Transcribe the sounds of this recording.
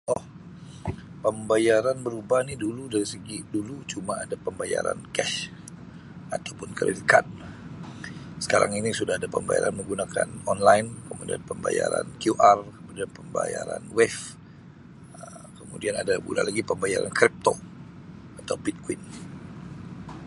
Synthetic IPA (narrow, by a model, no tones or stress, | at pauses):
ʔɔh | pəmbajaɾanbəɾubahniduludaɾisəɡidulut͡ʃumaadapəmbajaɾa̰nkɛʃ | at̪awpʊnkəɾḭtikan | sə̥kaɾʔa̰ŋinisudahadapəmbaja̰ɾanməŋɡunakanɔnlainkəmudia̰npəmbaja̰ɾa̰nkjuʔarkəmudianpəmbajaɾanwɛf | ə | kəmudianadabṵla̰nlaɡipəmbajaɾa̰nkɾip̚t̪o | at̪awbit̪̚kwin